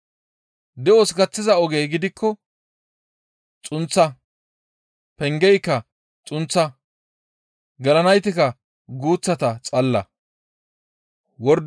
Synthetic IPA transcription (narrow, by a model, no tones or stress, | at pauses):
d̪ɛosɡɐt͡sːɪzɐɔɡejɡɪd̪ɪkʰːɔ | t͡sʼʊnt͡sːɐ | pɛŋɡɛjkːɐ | t͡sʼʊnt͡sːɐ | ɡɐlɐnɐjt̪ɪkɐ | ɡuːt͡sːɐt̪ɐt͡sʼɐlːɐ̰ | wɔɾd̪